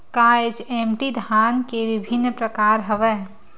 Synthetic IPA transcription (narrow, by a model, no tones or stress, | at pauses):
kaed͡ʒemʈid̪ʱankebibʱinːpɾəkaɾɦəbɛ